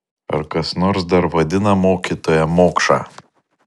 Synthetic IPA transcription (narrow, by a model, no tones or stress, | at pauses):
ɐ̰ɾkɐsnoːɾsd̪ɐɾʋɐd̪ʲɪnɐmoːkʲiˑt̪oːjɛmoːkʃɑ̰ː